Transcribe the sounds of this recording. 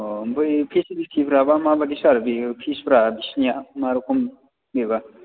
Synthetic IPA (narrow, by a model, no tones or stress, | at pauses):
bɯjpʰisibistʰibɾabamabadisaɾbipʰisbɾabisnijamaɾukʰɔm | beβa